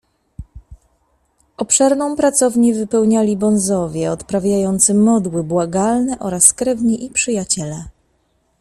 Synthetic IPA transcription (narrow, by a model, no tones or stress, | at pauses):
ʔɔpʂɛɾnɔ̃w̃pɾat̪sɔvɲivɘpɛwɲalʲibɔnzɔvʲjɛɔt̪pɾavʲjajɔnt̪sɘmɔd̪wɘbwaɡalnɛʔɔɾaskɾɛvɲiʔipʂɘjat͡ɕɛlɛ